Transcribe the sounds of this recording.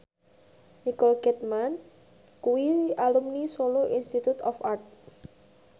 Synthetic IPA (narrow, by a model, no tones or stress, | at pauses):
nikɔlkɛt̪̚man | kuwialumnisoloʔinst̪it̪ut̪ɔfart̪̚